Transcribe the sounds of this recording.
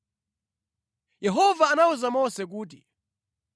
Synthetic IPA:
jɛɦɔvaːnauzamɔsɛk̬uːt̬i

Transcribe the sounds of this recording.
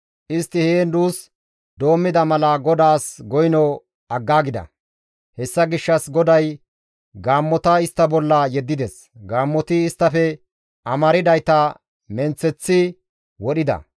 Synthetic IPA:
ʔɪst̪ːɪheːnd̪uːs | d̪o̞ːmːɪd̪ɐmɐlɐɡɔd̪aːsɡɔjnɔ | ɐɡːaːɡɪd̪ɐ̰ | hɛsːɐɡɪʃːɐsɡɔd̪ɐj | ɡaːmːɔt̪ɐɪst̪ːɐbɔlːɐjɛd̪ːɪd̪ɛs | ɡaːmːɔt̪ɪːst̪ːɐfɛ | ʔɐmɐɾɪd̪ɐjt̪ɐ | mɛnt͡sːɛt͡sːɪ | wɔɗɪd̪ɐ̰

